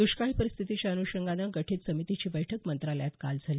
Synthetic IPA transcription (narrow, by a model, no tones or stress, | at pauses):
d̪̥uɕkaɭipəɾist̪ʰit̪it͡ɕaənuɕəŋɡanəɡəʈʰiːt͡s̪səmit̪it͡ɕiːbəjʈʰəkmənt̪ɾaljat̪ka̰ld͡zʱali